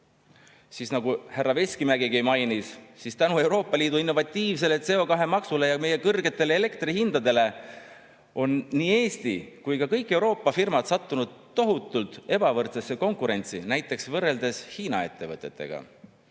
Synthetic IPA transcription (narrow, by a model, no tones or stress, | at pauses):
sisnɑɡuhærːɑve̞skimæɡiɡejmɑjnisːist̪ænue̞wɾo̞ːpːˑɑliːd̪uinːo̞vɑt̪ːiːvs̬e̞let̪se̞o̞kɑɦe̞mɑksule̞jɑme̞je̞kɤrɡe̞t̪ːˑe̞leːle̞kt̪rihind̪̥ɑd̪e̞le̞ | o̞nːiːe̞ːst̪ḭkujkɑkɤjkːˑe̞wɾo̞ːpːˑɑfirmɑd̪̥sɑt̪ːunud̪̥̚o̞ɦut̪ˑːult̪ˑe̞bɑvɤrt̪sesːe̞ko̞ŋkuɾe̞nʲt̪sḭnæjt̪ˑːe̞ksvɤrːe̞ld̪̥e̞shiːnɑ̰e̞t̪ːe̞vɤt̪ːˑe̞t̪ːe̞̰ɡ̥ɑ̰